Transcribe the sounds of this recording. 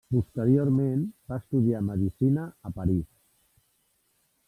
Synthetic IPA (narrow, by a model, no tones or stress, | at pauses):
pust̪əɾioɾmenbaəst̪uð̞iaməðisinəəpəɾis